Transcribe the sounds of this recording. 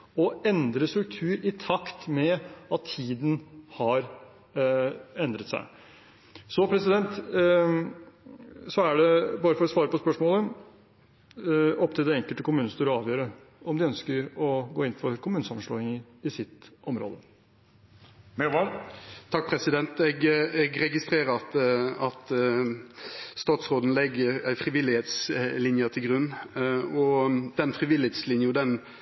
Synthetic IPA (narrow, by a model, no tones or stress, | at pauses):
ɔɛnd̪ɾəst̪ɾʉk̚t̪ʰʉːɾɪt̪ʰɑkt̪mɛɑt̪ʰːiːd̪n̩hɑɾ | ɛnd̪ɾət̪sæ̰ɪ | sɔpʰɾɛsɪd̪ɛnt̪ | sɔæɖɛbɑːɾəfɔɾɔsʋɑːɾəpɔspœʂmoːlə | ɔpːt̪ʰɪld̪ɛɛŋkəlt̪əkʊmʉːnəst̪yːɾɔɑːʋjøːɾə | ɔmd̪ɪœnskəɾɔɡoːɪnfɔɾkʰʊmʉːnəsɑməʂɭoːɪŋəɪsɪt̪ɔmɾo̰ːd̪ə | mɛʋɑt̪ʰɑk̚pʰɾɛsɪd̪ɛnt̪ɛɡɛɡɾɛɡɪst̪ɾeːɾəɾɑt̪ɑt̪ | st̪ɑːt̪sɾoːd̪n̩lɛɡəɾæɪfɾɪʋɪlːɪheːt̪slɪnjət̪ʰɪlɡɾʉnːɔd̪ɛnfɾɪʋɪlɪheːt̪slɪnjʊd̪ɛn